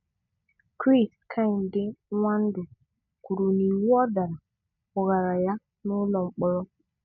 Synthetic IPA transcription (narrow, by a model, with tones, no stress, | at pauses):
kɾi˦˨skʰa˦˨n˨dɪ˦ŋʷa˦n̩˦dʊ˨ | ku˨ɾu˨ni˨wu˦ɔ˦da˨ɾa˨ | ʊ˨ɣa˨ɾa˨ja˦ | nʊ˦lɔ˨m̩˨k͡pɔ˦ɾɔ˦